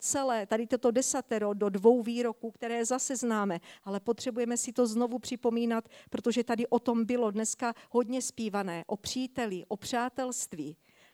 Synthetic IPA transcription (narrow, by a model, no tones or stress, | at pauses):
t͡sɛlɛːt̪adɪt̪ot̪o̞dɛsat̪ɛɾododvo̞wviːɾo̞kuːkt̪ɛɾɛːzasɛznaːmɛʔalɛpo̞t̪r̝̥ɛbujɛmɛsɪt̪o̞zno̞vupr̥ɪpo̞miːnat̪pɾo̞t̪o̞ʒɛt̪adɪʔo̞t̪o̞mbɪlo̞dnɛskaho̞dɲɛspiːvanɛːʔo̞pr̝̥iːt̪ɛlɪʔo̞pr̝̥aːt̪ɛlst̪viː